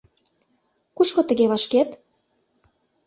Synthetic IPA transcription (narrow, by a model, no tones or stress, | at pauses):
kuʃkŏt̪ə̆ɣeβɑʃket̪